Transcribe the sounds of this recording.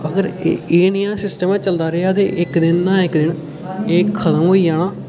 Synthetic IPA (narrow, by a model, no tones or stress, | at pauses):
əɡəɾ̰eːnɪjãːsɪsʈəmãːt͡ʃəld̪aːɾeaːt̪ḛːʔɪkd̪ɪnːãːɪkd̪ɪn | eːkʰət̪əmɦoːiːd͡ʒaːɽ̃aː